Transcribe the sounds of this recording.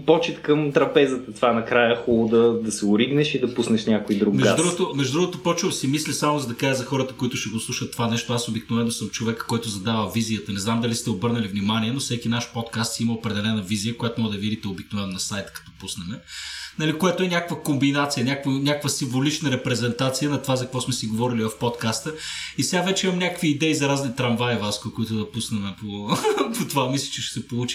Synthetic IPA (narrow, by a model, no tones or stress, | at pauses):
pɔt͡ʃɛt̪kəmt̪ɾɐpɛzət̪ət̪vanɐkɾajəxolˠod̪ɐd̪ɐsɛʊɾiɡnɛʃid̪ɐpusnɛʃnʲakoid̪ɾuɡmɛɡʒd̪uɡot̪omɛʒd̪ʊd̪ɾuɡot̪opɔt͡ʃɛlˠsimislisamozɐd̪ɐkaəzɐxɔɾət̪əkoit̪ʊʃɛɡoslˠuʃət̪ːovanɛʃt̪oasobiknovɛnːosəmt͡ʃovɛkə̥koɛt̪ʊzɐd̪avəlˠvizijət̪ɐnɛznamd̪ɐlist̪ɛobɤɾnəlivnimanʲiɛnofsɛkinaʃpɔt̪kast̪siiməopɾɛd̪ɛlɛnəviziəkojat̪omɔɡəd̪ɐvid̪it̪ɛobik̚novɛnːonɐsajt̪ə̥kɐ̥t̪ɔpusnɛmɛnɐlikojat̪oɛnʲakəvəkombinat̪sijənʲakvənʲakəkvəsiɱvolit͡ʃnəɾɛpɾɛzɛnt̪at̪sijənɐt̪ovazɐkɐkvɔsmɛsiɡovɔɾilivɐfpot̪kast̪əisɛɡavɛt͡ʃɛimɐmnʲakəkviːd̪ɛizɐɾaznit̪ɾɐɱvajvaskkoit̪ʊd̪ɐpusnɛmɛpopot̪ovamislʲit͡ʃɛʃsɛpolˠut͡ʃi